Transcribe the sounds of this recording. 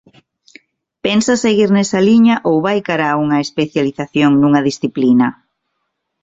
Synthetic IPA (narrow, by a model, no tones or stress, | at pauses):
pensaseɣiɾnɛsɐliɲɐʔowβajkaɾauŋɐespeθjaliθaθjoŋnuŋɐðisθiplinɐ